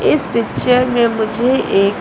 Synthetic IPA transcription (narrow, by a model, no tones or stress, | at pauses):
ɪspɪkt͡ʃəɾmẽmʊd͡ʒʱeʔeːk